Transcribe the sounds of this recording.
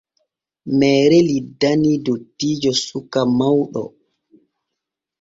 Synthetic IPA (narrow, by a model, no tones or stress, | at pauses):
mɛːɾɛlidːanidotːiːd͡ʒɔsukːamawɗɔ̰